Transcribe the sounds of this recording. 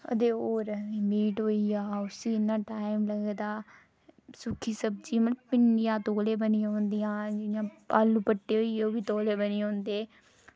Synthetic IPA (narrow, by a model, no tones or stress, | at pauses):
əd̪eːoːɾiːmiːʈɦoːiaːʊsĩːɪnːãːʈaːɪmləɡd̪aː | sʊkʰiːsəb̚d͡ʒiːmət̪əbpɪɳɖɪjãːt̪oːleːbənijɦõːnd̪ɪjãːd͡ʒɪjãːpaːluːpəʈːeːɦoːiːeoːbiːt̪oːleːbəniːõːnd̪eː